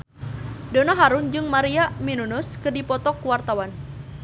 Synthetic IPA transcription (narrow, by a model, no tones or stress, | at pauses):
donaɦaɾʊnd͡ʒɨŋmaɾiaminunɔskɨrdipɔt̪ɔkuwart̪awan